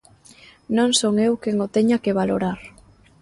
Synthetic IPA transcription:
nõŋsoŋewkeŋot̪eɲakeβaloɾaɾ

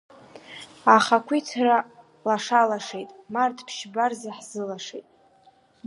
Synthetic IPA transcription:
aχakʷʰit͡sʰra | laʂalaʂejtʼmartʰpʰʃbarzaħz̥ɨlaʂejtʼ

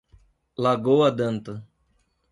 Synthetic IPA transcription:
laɡowɐd̪ɐ̃nt̪ɐ

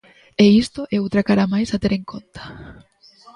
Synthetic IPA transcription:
eist̪oʔɛut̪ɾakaɾamajsat̪eɾeŋkʰont̪ḁ

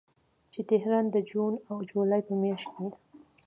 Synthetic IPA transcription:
t͡ʃet̪ɪɦɾɑnd̪əd͡ʒunawd͡ʒulɑjpəmjaʃke

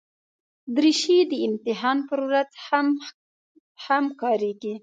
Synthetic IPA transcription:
d̪ɾiʃid̪əɪmt̪ɪɦɑnpəɾwɾazha | hamkɑɾeɡi

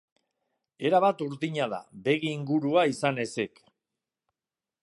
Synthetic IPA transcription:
e̞ɾaβat̪uɾðiɲað̞a̰be̞ɣiːŋɡuɾuaisane̞sek

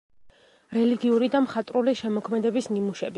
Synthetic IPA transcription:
ɾɛliɡiuɾid̪amχat̪ʼɾuliʃɛmɔkʰmɛd̪ɛbisnimuʃɛbi

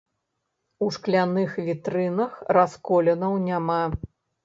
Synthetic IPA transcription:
uʂklʲanɨxvʲit̪ɾɨnɐxraskɔlʲɛnɐwnʲama

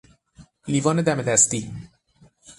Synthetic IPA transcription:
liːvɒːned̪æmed̪æst̪iː

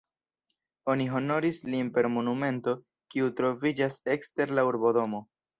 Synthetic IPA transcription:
o̞niɦo̞no̞ɾislimpe̞ɾmo̞nume̞nto̞ | kiutɾo̞vid͡ʒase̞kste̞ɾlauɾbo̞do̞mo̞

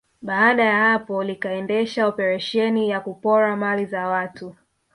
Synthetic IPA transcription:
ɓaaɗajahapɔlikaɛndɛʃaɔpɛɾaʃɛnijakupɔɾamalizawatu

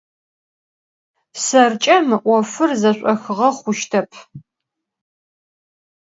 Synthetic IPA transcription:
sɐrt͡ʃʼɐmɨʔʷɔfɨrzɐɕʷʼɔxɨʁɐχʷʊʃtʰɐpʰ

